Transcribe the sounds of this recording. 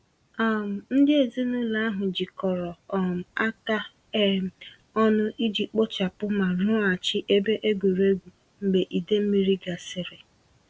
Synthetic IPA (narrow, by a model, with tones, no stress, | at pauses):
a˦˨m̩˨n̩˦dɪ˦e˨zi˦nu˦la˦a˦ɦʊ˨d͡ʒi˨kɔ˨ɾɔ˨ɔ˨m̩˨a˦ta˦ | e˦˨ | ɔ˦nʊ˦ʔi˦d͡ʒi˨k͡po˦t͡ʃa˨pʊ˦ma˨ɾʊ˦a˨t͡ʃɪ˦ʔe˦be˦ʔe˦ɡʷu˨ɾe˦ɡʷu˨ | m̩˦ɡ͡be˨ʔi˨de˦m̩˦mi˦ɾi˦ɡa˨sɪ˦˨ɾe˨